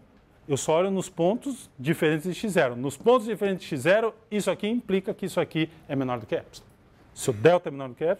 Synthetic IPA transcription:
ewsɔɔʎʊnʊspõnt̪ʊzd͡ʒifeɾẽnt̪ɪzd͡ʒɪʃizɛɾʊnʊspõnt̪ʊzd͡ʒifeɾẽnt̪ɪ̥ɪʃizɛɾʊisʊakiĩplikɐkɪisʊakiɛmẽnɔɾd̪ʊkɪɛps | sɪʊd̪ɛwt̪ɐɛmẽnɔɾd̪ʊkɪɛp

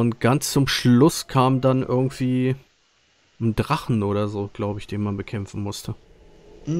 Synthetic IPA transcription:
ʊntɡ̥ant͡st͡sʊmʃllʊskʰaːmdanʔɪ̰ɐɡŋ̩tv̥iː | ndʁaχn̩ʔoːɾɐzoːɡ̥laʊbəɪçd̥eːnmanbəkʰɛmfn̩mʊstʰə

